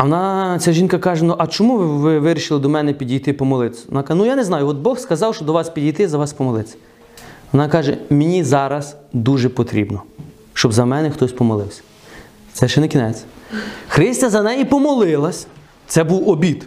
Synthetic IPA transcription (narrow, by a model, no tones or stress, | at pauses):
ɐʋɔnɑt͡sʲaʒʲinkɐkɑʒɛnuʔɐt͡ʃɔmuʋʋɪʋɪɾʲiʃɪlˠɐd̪ɔmɛnɛpʲidʲijt̪ɪpɔmɔlˠɪt̪sʲɔ̰nɑknujanɛznɑjʊɔt̪̚bɔxskɐzɑwʃt͡ʃɔd̪ɔʋɑspʲidʲijt̪ɪzɐʋɑspɔmɔlˠɪt͡sʲɐ̥ | ʋɔnɑkɑʒɛmenʲizɑɾɐzd̪uʒɛpɔt̪ɾʲḭbnɔ | ʃt͡ʃɔbzɐmɛnɛxt̪ɔsʲpɔmɔlˠɪwsʲɐ̥ | t̪sɛʃɛnɛkʲinɛt͡sʲxɾɪsʲtʲɐzɐnɛjipɔmɔlˠɪlˠɐsʲ | t̪sɛbuwɔbʲit̪